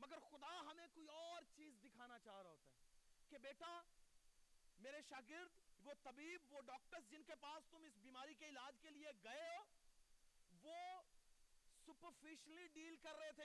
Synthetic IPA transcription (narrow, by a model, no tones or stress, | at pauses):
mɐɡəɾxʊd̪aɦɐmẽkoːiɔːɾt͡ʃiːzd̪ɪkʰaːnat͡ʃaːɦɾaɦoːt̪aɦɛːkebeːʈa | meːɾeʃaːɡɪɾd̪ʋot̪ɐbiːbʋoɖɔːk̚ʈəɾs̬d͡ʒɪnkepaːst̪ʊmɪsbiːmaːɾikeɪlaːd͡ʒkelieɡɐeɦoː | ʋo | sʊpəɾfɪʃəliɖiːlkɐɾːɐɦet̪ʰe